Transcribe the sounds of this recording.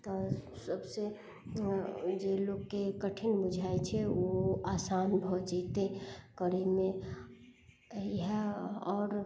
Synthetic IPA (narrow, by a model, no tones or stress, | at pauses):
t̪ɔsəbse | d͡ʒeloɡːekəʈʰɪnbʊd͡ʒʱaet͡ʃʰɛoasanbʱɔd͡ʒit̪ekəɾimẽ | ɦɛɔːɾ